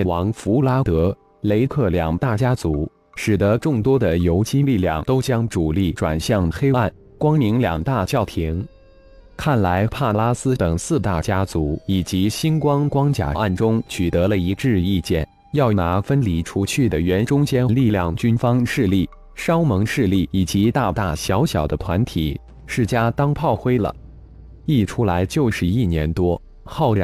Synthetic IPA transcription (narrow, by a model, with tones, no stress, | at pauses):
wɑ˧˥ŋfu˧˥la˥t̪ɤ˧˥ | le˧˥ɪkʰɤ˥˩ljɑ˨˩ŋt̪a˥˩t͡ɕja˥t͡su˧˥ | ʂɻ̩˨˩d̪ə˧˦ʈ͡ʂʊ˥˩ŋt̪wɔ˥d̪ə˨jo˧˥ʊt͡ɕi˥li˥˧˩ljɑ̰˥˩ŋt̪o˥ʊt͡ɕjɑ˥ŋʈ͡ʂu˨˩li˥˩ʈ͡ʂwa̰˨˩nɕjɑ˥˩ŋxe˥ɪa˥˩n | kwɑ˥ŋli˧˥ŋljɑ˨˩ŋt̪a˥˩t͡ɕjɑ˥˩ʊt̪ʰi˧˥ŋ | kʰa˥˩nla˧˥ɪpʰa˥˩la˥sɹ̩˥t̪ə˨˩ŋsɹ̩˥˧t̪a˥˩t͡ɕja˥t͡su˧˥i˨˩t͡ɕi˧˥ɕi˥nkwɑ˥ŋkwɑ˥ŋt͡ɕja̰˨˩ʔa˥˩nʈ͡ʂʊ˥ŋt͡ɕʰy˨˩t̪ɤ˧˥lə˧i˧˥ʈ͡ʂɻ̩˥˧i˥˧t͡ɕjɛ̰˥˩n | jɑ˥˩ʊna˧˥fə˥nli˨˩ʈ͡ʂʰu˧˥t͡ɕʰy˥˩d̪ə˩ɥɛ˧˥nʈ͡ʂʊ˥ŋt͡ɕjɛ˥nnli˥˧ljɑ˥˩ŋt͡ɕy˥nfɑ˥ŋʂɻ̩˥˧li˥˩ | ʂɑ˥ʊmɤ˧˥ŋʂɻ̩˥˧li˥˩i˨˩t͡ɕi˧˥t̪a˥˧t̪a̰˥˩ɕjɑ˧˥ʊɕjɑ˨˩ʊd̪ə˦t̪ʰwa˧˥nt̪ʰi˨˩˦ | ʂɻ̩˥˩t͡ɕja˥t̪ɑ˥ŋpʰɑ˥˩ʊxwe˥ɪlə̰˩ | i˥˩ʈ͡ʂʰu˥la˧˥ɪt͡ɕjo˥˩ʊʂɻ̩˧˥i˥˩njɛ˧˥nt̪wɔ˥ | xɑ˥˩ʊɻ